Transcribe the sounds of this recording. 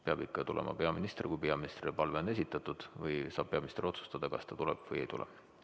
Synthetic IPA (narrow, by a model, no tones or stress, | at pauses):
peɑb̥ikːɑt̪ulʔḛmɑ̰pe̞ɑminist̪rkujpeɑminist̪ripɑlve̞one̞sit̪ːˑɑt̪ːud̪̥vɤjsɑːb̥̚pe̞ɑminist̪rio̞t̪su̥st̪ɑd̪̥ɑkɑ̰st̪ɑt̪ulɛ̰b̥vɯjejt̪ṵlʔḛ̥